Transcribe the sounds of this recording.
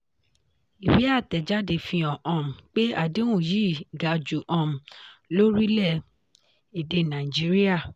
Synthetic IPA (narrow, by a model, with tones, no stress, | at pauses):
i˨wi˨˦a˦˨tɛ˨d͡ʒa˦de˧˨fĩ˧ɔ̃˨ʔɔ̃˨m̩̃˨k͡pe˦a˦˨di˨˦w̃ũ˦˨ji˦˨ɡa˨d͡ʒu˨ʔɔ̃˨m̩˨lo˦ɾi˦lɛ˦˨ | e˨de˧nã˨i˨d͡ʒi˨˦ɾi˦a˦˨